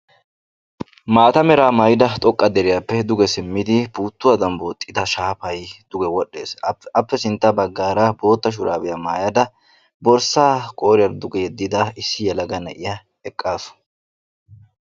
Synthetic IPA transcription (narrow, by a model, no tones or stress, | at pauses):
maːt̪ɐmɛɾaːmɐjɪd̪ɐt̪ʼɔkʼːɐd̪ɛɾɪjɐpːɛd̪ʊɡɛsɪmːɪd̪ɪbuːt̪ːʊwɐd̪ɐmboːt̪ʼːɪd̪ɐʃaːpɐjd̪̥ʊɡɛwɔɗːe̞ːsɐpːɛsɪnt̪ːɐbɐɡːaːɾɐbo̞ːt̪ːɐʃ̬ʊɾa̰ːbɪjɐmaːjɐd̪ɐ | bɔɾsaːkʼo̞ːɾɪjɐnd̪ʊɡɛjɛd̪ːɪd̪ɐɪsːɪjɛlɐɡɐnɐ̰ʔɪjɐ | ɛkʼːaːsʊ̥